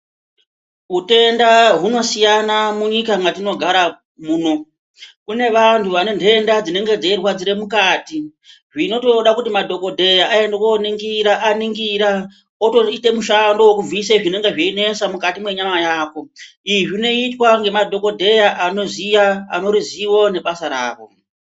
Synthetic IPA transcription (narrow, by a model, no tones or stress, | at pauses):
ɦute̞ndaɦuno̞sijanamuɲikaŋɡatino̞ɡʱaɾa | muːno̞ | kune̞ʋantʰuʋanende̞ndad͡zine̞ŋɡe̞d͡zairwad͡ziɾe̞mukaːti | ʐino̞to̞ɗakutimadʱo̞ko̞dʱe̞jaʔːendekoniŋɡiɾaʔaniŋɡiɾa | otoite̞muʃando̞wokub͡viseʐine̞ŋɡe̞ʐeine̞samukatimwe̞ɲamajaːko̞ | iiʐino̞itwaŋɡe̞madʱo̞ko̞dʱe̞jaʔano̞zija̰ːno̞ɾiziwo̞ne̞ɓasaɾa̰ːʋo̞̰